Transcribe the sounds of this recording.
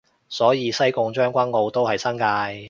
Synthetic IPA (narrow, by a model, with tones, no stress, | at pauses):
sɔː˨˥jiː˨˧sɐ˥jkʊ˧ŋt͡ʃœː˥ŋkʷɐ˥nŋo˨˧wt̪o˥whɐ˨jsɐ˥nkaː˧j